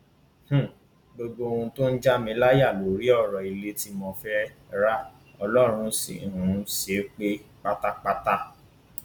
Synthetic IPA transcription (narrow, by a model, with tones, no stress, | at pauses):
h̩˦˨ | ɡ͡bo˧ɡ͡bo˧ũ˧to˦n̩˦d͡ʒa˦mĩ˧˦la˦ja˦˨lo˨ɾi˦ɔ˦˨ɾɔ˨i˨˧le˦ti˧mɔ̃˧fɛ˦ | ɾa˦ | ɔ˧lɔ˦˨ɾ̃ũ˧sḭ˨ũ˨˦se˨˦k͡pe˦k͡pa˦ta˦k͡pa˦ta˦˨